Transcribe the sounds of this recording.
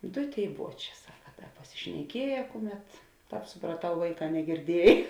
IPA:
ˈdoː ˈtʲeːɪ ˈbuɔˌt͡ʃʲɛː ˈsɑːkɐ ˈdɐ pɐsʲɪʃʲnʲɛˈkʲiɛjɛ ˈkʊˌmʲɛt ˈtɑːp sʊprɐˈtɐʊ ˈʋɐɪˌkɑː nʲɛɡʲɪrʲˈdʲiɛj

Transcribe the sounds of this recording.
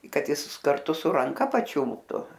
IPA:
ɪ ˈkɐt ˈjɪs kɐrˈtʊ sʊ rɐŋˈkɐ pɐˈt͡ʃʲʊlˠptʊ

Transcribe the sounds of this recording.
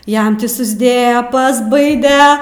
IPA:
ˈjɛm ˈtʲiː sʊzʲˈdʲeːjɛ pɐzˈbɐɪdʲɛ

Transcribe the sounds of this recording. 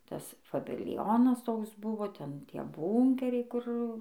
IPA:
ˈtɐs fɐbʲɪlʲˈjoːnɐs ˈtoːks ˈbʊʋoː ˈtʲɛn ˈtʲiɛ ˈbuːŋʲkʲɛrʲɛɪ ˈkʊr

